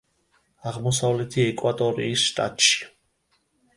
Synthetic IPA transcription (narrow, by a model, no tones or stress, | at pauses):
aʁmɔsavlɛt̪ʰiɛkʼwat̪ʼɔɾḭːsʃt̪ʼa̰t̪ʼʃi̥